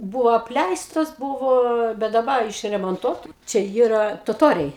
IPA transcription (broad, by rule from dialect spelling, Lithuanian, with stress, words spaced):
ˈbuːʋoː ɐpʲˈlʲɛɪstoːs ˈbuːʋoː bʲɛt dɐˈbɐ ɪʃʲrʲɛmoːnˈtuɔtɐ ˈt͡ʃʲɛ ˈjiːrɐ toːˈtoːrʲɛɪ